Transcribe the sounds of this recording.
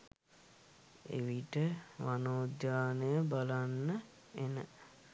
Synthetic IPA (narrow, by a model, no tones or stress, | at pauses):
ḛʋiʈəʋanoːdjaːnəjəbalanːə | enə̰